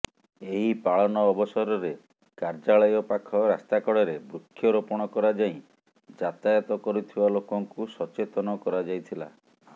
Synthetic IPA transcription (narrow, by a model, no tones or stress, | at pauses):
eɦipaɭɔnɔːbɔsɔɾɔɾe | kaɾd͡ʒaɭɔjɔpakʰɔɾast̪akɔɽɔɾebɾukʰːjɔɾɔpɔɽ̃ɔkɔɾad͡ʒaĩ | d͡ʒat̪ajɔt̪ɔkɔɾut̪ʰibalokɔŋkusɔt͡ʃet̪ɔnɔkɔɾad͡ʒajt̪ʰila̰